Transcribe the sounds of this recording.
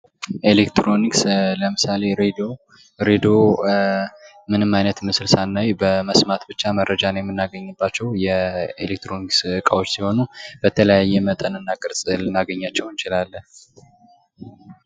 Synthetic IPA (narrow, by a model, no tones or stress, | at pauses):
ʔelekt̪ɾo̞niksləmɨsale̞ɾed̪ | ɾed̪o | mɨnɨmajnət̪mɨsɨlsanːajbəməsmat̪bɨt͡ʃːaməɾːəd͡ʒanjɛmːɨnːaɡəɲːɨbːat͡ʃːɛwjɛḛlek̚t̪ɾo̞niksɨɨkʼawot͡ʃːsiho̞nub̥ət̪ʰələjajːɛmət̪ʼənɨnːakʼɨɾsʼɨlɨnaɡəɲːat͡ʃːɛwnt͡ʃɪlalːə